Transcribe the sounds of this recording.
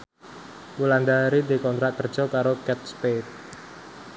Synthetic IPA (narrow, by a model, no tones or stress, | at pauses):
uland̪aɾid̪ekɔnt̪ɾaʔ̚kər̥ʒ̥ɔ̤kaɾokɛt̪̚spet̪̚